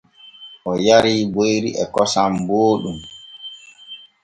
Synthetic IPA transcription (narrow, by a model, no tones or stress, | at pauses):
ʔɔjaɾiːbojɾiʔɛkɔsamboːɗum